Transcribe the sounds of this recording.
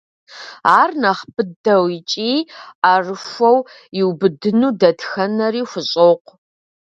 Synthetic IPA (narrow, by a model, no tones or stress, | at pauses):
aːrnɐχpɨdɐwit͡ʃʼiːaːrɨfʷɐw | jɪwbɨdɨnuːdɐtʰxɐnɐriːxʷʊɕʼoːqʷ